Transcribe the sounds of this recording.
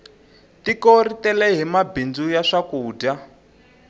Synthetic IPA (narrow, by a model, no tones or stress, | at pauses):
tikoɾitɛlɛɦimabind͡zujaʂakuːda